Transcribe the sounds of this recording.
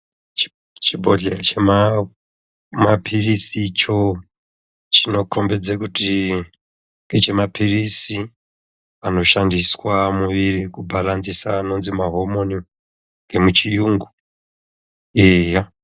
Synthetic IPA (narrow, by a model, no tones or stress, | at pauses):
t͡ʃibʱo̞ɮet͡ʃema | mapʰirisit͡ʃo̞ | t͡ʃino̞kʰo̞mbed͡zekuti | et͡ʃe̞mapʰirisi | ano̞ʃandiswamuʋirikubʱalanzisaːno̞nzimaɦo̞mo̞ni | ŋɡemut͡ʃijuŋɡu | eːja